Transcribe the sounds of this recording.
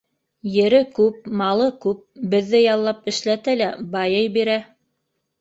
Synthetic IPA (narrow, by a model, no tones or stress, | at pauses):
jɘ̆ɾɘkʉp̚mɑlˠɤkʉp̚bɘ̆ðːɘjɑlˠːɑpɘ̆ʃlæt̪ælæbɑjɤjbiɾæ